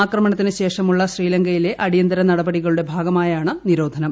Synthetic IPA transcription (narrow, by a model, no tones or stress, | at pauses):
aːkrɐmɐɳɐt̪ːinɨɕe̞ːʂɐmuɭːɐɕriːlɐŋɡɐjile̞ʔɐɽijɐnd̪ɐɾɐnɐɽɐbɐɽiɣɐɭuɽe̞bʱaːɡɐmaːjaːɳɨniɾo̞ːd̪ʱɐnɐm